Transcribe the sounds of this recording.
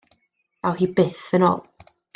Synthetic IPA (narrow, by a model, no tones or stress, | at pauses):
awhiːbɪθəno̰ːlˠ